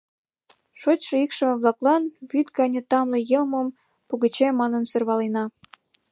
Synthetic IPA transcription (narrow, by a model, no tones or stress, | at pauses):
ʃot͡ɕʲʃeikʃə̆meβlɑklɑnβyt̪ɡɑnʲĕt̪ɑmlĕjelmom | puɣət͡ɕemɑnənserβɑlenɑ